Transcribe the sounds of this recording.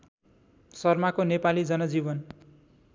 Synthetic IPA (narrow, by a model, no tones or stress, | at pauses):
sʌrmakonepalid͡zʌnʌd͡zibʌn